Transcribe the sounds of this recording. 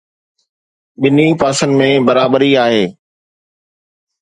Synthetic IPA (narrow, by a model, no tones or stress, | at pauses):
ɓɪnipaːsənmẽːbɐɾaːbəɾiaːɦeː